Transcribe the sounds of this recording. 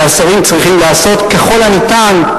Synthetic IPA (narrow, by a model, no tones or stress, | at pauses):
asaʁimt͡sʁiχimlaːso̞t̪ke̞χo̞lanit̪an